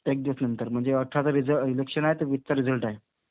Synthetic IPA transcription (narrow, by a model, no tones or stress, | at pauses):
t̪ek̚d̪iʋəsnənt̪əɾm̤əɳd͡zeəʈʰat͡saɾid͡zəilekʂənaɦet̪əɾʋit̪ːt͡saɾid͡zəlʈaɦe